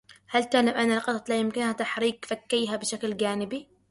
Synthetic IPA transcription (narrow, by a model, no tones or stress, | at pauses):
halt̪alamʔanːalqɑt̪ˤt̪ˤlajɪmkɪnhat̪aħɾiːkfakːiːɦabɪʃaklɡaːnɪbi